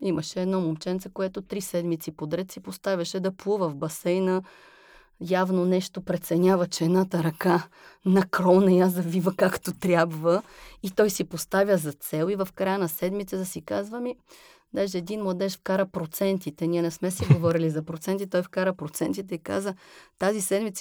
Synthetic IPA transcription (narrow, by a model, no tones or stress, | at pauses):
iməʃɛɛːd̪nɔmomt͡ʃɛnt̪səkoɛt̪ot̪ɾisɛd̪mit̪sipod̪ɾɛt̪sipost̪avʲɐʃɛd̪ɐplˠuvəvbɐsɛjnə | javnonɛʃt̪opɾɛt̪sɛnʲjavət͡ʃɛɛd̪nat̪ɐɾɐka | nɐkɾɔnɐijazɐvivəkakt̪ot̪ɾʲjabvəit̪ɔjsipost̪avʲəzɐt̪sɛlˠivɐfkɾajənɐsɛd̪mit̪sət̪ɐsikazvəmi | d̪aʒɛːd̪inmlˠɐd̪ɛʃfkaɾəpɾot̪sɛnt̪it̪ɛniɛnɛsmɛsiɡovɔɾilizɐpɾot̪sɛnt̪̬it̪ɔjfkaɾəpɾot̪sɛnt̪it̪ɛika̰zət̪azisɛd̪mit̪s